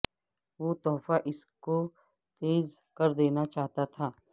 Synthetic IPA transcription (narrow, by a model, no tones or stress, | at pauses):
ʋoːt̪ɔːfaʔɪsko | t̪eːzkɐɾd̪eːnat͡ʃaːɦt̪at̪ʰaː